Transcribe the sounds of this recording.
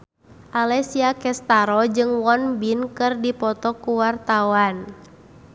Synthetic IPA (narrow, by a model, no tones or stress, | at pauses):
ʔalɛsiakɛst̪aɾɔd͡ʒɨŋwɔnbinkɨrdipɔt̪ɔkuwart̪awan